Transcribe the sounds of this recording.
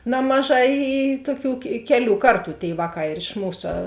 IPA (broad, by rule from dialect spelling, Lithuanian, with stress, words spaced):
ˈnɑːmɐˌʒɑː ɪ ɪ ˈtuɔˌkʲuː kʲɛ ˈkʲæːˌlʲuː ˈkɐrˌtuː tʲeːɪ ˈʋɑːˌkɑː ɪr ɪʃ ˈmuːsɐ